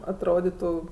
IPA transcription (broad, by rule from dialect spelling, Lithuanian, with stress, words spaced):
ɐtˈroːdʲɪtʊ